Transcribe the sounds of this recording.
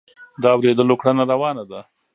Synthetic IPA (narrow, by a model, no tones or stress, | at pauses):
d̪ɑawɾed̪əlokɽanaɾawɑnad̪a